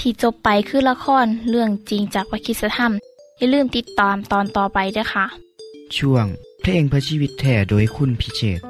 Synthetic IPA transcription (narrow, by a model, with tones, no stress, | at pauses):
t̪ʰiː˧˩t͡ɕo˧pːa˨˧jkʰɯː˧˥˨la˧kʰɔː˧˥˨nlɯ˧˩əŋt͡ɕi˨˧ŋt͡ɕaː˨˩k̚pa˧kʰi˧t̪̚sa˧t̪ʰa˧˥˨m | ja˧˨lɯː˧˥˩mt̪i˧˦t̪ːɔː˨mt̪ɔː˨nt̪ɔː˨˩pa˨jdɯː˧˩˨jxʰa˧˩ʔt͡ɕʰu˧˩əŋpʰleː˧˩˨ŋpʰɯ˧siː˧˨wi˧˥t̪ʰːɛː˧˩doː˨˩jkʰu˧˥˨npʰi˧˥seː˧˩t̪̚